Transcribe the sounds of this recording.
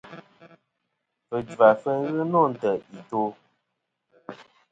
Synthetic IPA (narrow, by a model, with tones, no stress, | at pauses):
fə˨d͡ʒa˨fə˦ɣɨ˦nɔ˦˨n̩˨tə˨i˨to˦